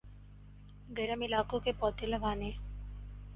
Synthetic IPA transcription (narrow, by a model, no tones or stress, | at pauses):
ɡɐɾəmɪlaːkõkepɔːt̪elɐɡaːne